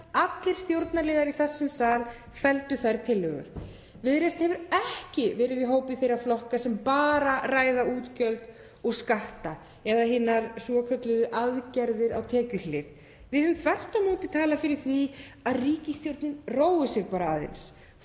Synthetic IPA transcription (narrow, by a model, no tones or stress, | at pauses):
at̪lɪɾ̥st̪jowɾt̪naɾlɪːðaɾiθɛsːɪnsaːl | fɛlt̪ʏθajɾt̪ʰɪlːʏɣʏ̰ɾ̥ | vɪðɾest̪hɛvʏɾɛhcɪvɛːɾɪðiɦoːwpɪθejɾaflɔhkasɛmpaːɾaraːjðauːt̪cœlt̪ | ɔɣskaht̪a | ɛðaɦɪːnaɾsɔkʰœt̪lɪðʏʔaðcɛɾðɪɾawt̪ʰɛːcʏlɪð | vɪðhʏmθʰvɛht̪amoːt̪ɪt̪ʰaːlafɪɾɪɾ̥θvi | aðriːcɪst̪jowɾt̪nɪnroːwɪsjɛɣpaːɾaaðḛns